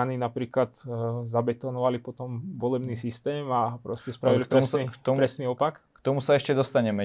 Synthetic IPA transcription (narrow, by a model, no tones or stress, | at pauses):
aninapɾiːklad̪zabɛt̪ɔnɔʋalipɔt̪ɔmʋɔlɛbniːsist̪ɛːmapɾɔscɛspɾaʋilip̪ɾɛssikt̪ɔpɾɛsniːɔpakkt̪ɔmusaɛʃcɛd̪ɔst̪aɲɛmɛ